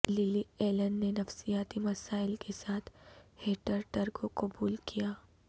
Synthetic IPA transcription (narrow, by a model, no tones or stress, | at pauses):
lɪlieːlənɖːenɐfsijaːt̪imɐsaːɪlkesaːt̪ʰheːʈəɾʈɐɾkokɐbuːlkijaː